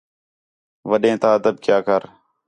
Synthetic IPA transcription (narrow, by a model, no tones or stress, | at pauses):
ʋəɗẽːt̪aːəd̪əb̚kjaːkəɾ